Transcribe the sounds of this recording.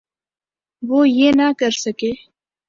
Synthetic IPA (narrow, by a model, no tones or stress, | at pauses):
woːjeːnakɐɾsɐkeː